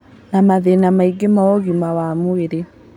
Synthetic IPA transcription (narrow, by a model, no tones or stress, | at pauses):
namaðenamaiɡemaɔɣumawamoeɾe